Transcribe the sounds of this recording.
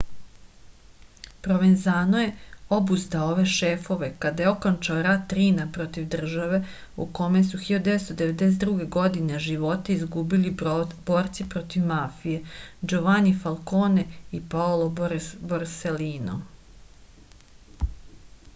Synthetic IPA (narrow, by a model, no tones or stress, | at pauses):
pɾo̞ʋenzaːnoje̞o̞buzd̪aoʋe̞ʃefo̞ʋe̞kad̪ajeo̞kont͡ʃaoɾat̪ːɾinapɾo̞t̪iʋd̪r̩ʒaʋe̞ | ṵko̞me̞suxiʎod̪d̪eest̪od̪eʋe̞d̪es̬et̪d̪ɾuːɡe̞ɡo̞d̪ineʒiʋo̞t̪eizɡubilib̥oːɾt̪sipɾo̞t̪iʋmafije̞d͡ʒoʋanifalˠkoːneipaoloboɾseliːno̰